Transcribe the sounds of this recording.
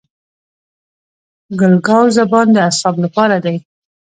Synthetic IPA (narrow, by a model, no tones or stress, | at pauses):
ɡʊlɡɑwzabɑnd̪əasɑblapɑɾad̪aj